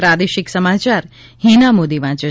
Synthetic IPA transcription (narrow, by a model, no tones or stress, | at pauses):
ɾad̪eʃɪksəmat͡ʃaɾ | hinamod̪iʋãt͡ʃə